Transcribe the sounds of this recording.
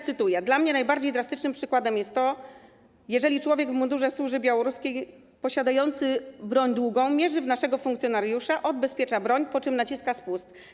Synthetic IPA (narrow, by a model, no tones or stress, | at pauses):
t̪sɘt̪ujɛd̪lamɲɛnajbaɾd͡ʑejd̪ɾast̪ɘt͡ʂnɘmpʂɘkwad̪ɛmjɛst̪ːɔ | jɛʐɛlʲit͡ʂwɔvʲjɛɡvmund̪uʐɛswuʐɘbʲjawɔɾuskʲej | pɔɕad̪ajɔnt̪sɘbɾɔɲd̪wuɡɔ̃w̃mʲjɛʐɘvnaʂɛɡɔfuŋkt̪ʲjɔnaɾjuʂaʔɔd̪bɛspʲjɛt͡ʂabɾɔɲpɔt͡ʂɘmnat͡ɕiskaspust̪